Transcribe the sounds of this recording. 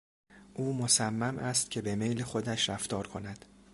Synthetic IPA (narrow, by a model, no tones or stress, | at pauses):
ʔuːmosæmːæmʔæst̪̚cʰe̞be̞me̞jlexo̞d̪æʃɾæft̪ɒːɾkʰo̞næd̪̥